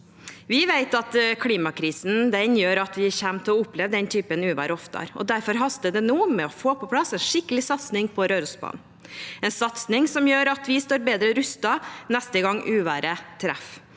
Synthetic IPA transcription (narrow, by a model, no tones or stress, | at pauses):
ʋɪʋeɪt̪ɑt̪kʰliːmɑkʰɾiːsn̩d̪ɛnjøːɾɑt̪ʋɪçæmt̪ʰɔʊpːlɛʋd̪ɛnt̪ʰyːpənʉːʋæ̰ːɾəɔft̪ɑ̰ɾɔ̰d̪æɾfɔɾɦɑst̪əd̪ɛnuːmɛɔfoːpʰɔpʰlɑsɛːnʂɪkːəlɪsɑt̪snɪŋpʰɔɾøːɾʊsbɑ̰ːnn | ɛnsɑt̪snɪŋsɔmjøːɾɑt̪ʋɪst̪oːɾbeːd̪ɾəɾʉst̪ɑnɛst̪əɡɑŋːʔʉːʋæːɾət̪ʰɾæ̰f